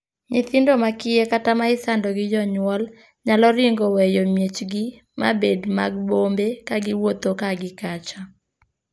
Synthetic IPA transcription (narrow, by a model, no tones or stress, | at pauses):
ɲɪθɪndomakɪekatamaɪsandɔɡɪd͡ʒɔɲwɔl | ɲalɔɾɪŋɡowɛjomjet͡ʃɡɪ | ma̰bedma̰ɡ̚bombekaɡɪwot̪okaɡɪkat͡ʃa